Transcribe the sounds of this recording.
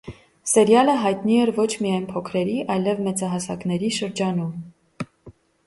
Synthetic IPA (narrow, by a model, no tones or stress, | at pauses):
sɛɾjɑləɦɑjt̪niɛɾvɔt͡ʃʰmijɑjnpʰɔkʰɾɛɾiʔɑjlɛvmɛt͡sɑɦɑsɑ̰knɛɾiʃəɾd͡ʒɑnum